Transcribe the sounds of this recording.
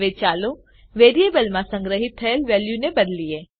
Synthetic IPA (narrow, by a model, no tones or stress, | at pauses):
ʋet͡ʃaːlo | ʋeːɾijebɐlmãsə̃ŋɡɾəɦɪt̪ʰːəjəlʋeːljunebɐd̪lieː